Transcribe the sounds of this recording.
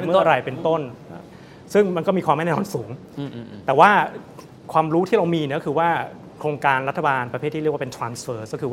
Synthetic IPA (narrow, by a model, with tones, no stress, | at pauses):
mɯ˥˩˧ɾa˧˩jpe˧nt̪o˥˩n˦ | sɯ˥˩ŋma˧nkɔ˥˩miː˧kʰwaː˧ma˥˩nɛː˥˩ɔː˧nsuː˩˦ŋ | t̪ɛː˨˩waː˥˩ | kʰwaː˧mɾuː˦˥t̪ʰiː˥˩ɾa˧wmiː˧ni˦˥kɔ˥kʰɯː˧waː˥˩ | kʰɾoː˧ŋkaː˧nɾa˦˥t̪ʰːa˧baː˧npɾa˧pʰeː˥˩t̪ʰːiː˥˩kwaː˥˧e˧nt̪ʰɾaː˧nsfɤː˦˧˩skɔː˥˩kʰɯː˧˥˩